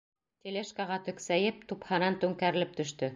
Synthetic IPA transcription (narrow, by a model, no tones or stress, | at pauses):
t̪ʲeleʃkɑʁɑt̪ɵ̆ksæjɘp̚t̪uphɑnɑnt̪ʉŋkæɾɘ̆lɘp̚t̪ɵ̆ʃt̪ɵ